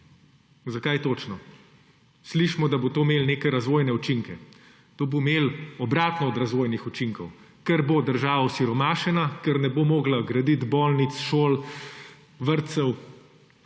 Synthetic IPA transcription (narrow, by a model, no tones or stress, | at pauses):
zakajt̪oːt͡ʃnɔ | sliʃmɔd̪abot̪oːmeːlneːkɛɾazʋoːjnɛut͡ʃiŋkɛ | t̪oːbomeːlɔbɾaːt̪nɔːd̪ɾazʋoːjnixut͡ʃiŋkɔw | kɛɾbod̪əɾʒaːʋɔwsiɾɔmaːʃɛnakɛɾnɛboːmoːɡlaɡɾad̪it̪boːlnit̪sʃoːl | ʋəɾt̪sɛw